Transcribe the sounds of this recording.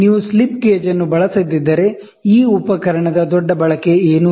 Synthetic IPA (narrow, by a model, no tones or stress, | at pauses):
niːʋuslipɡeːd͡ʒɐnːubɐɭɐsɐd̪id̪ːɐɾe̞ | iːupɐkɐɾɐɳɐd̪ɐd̪ɔɖːɐbɐɭɐke̞eːnu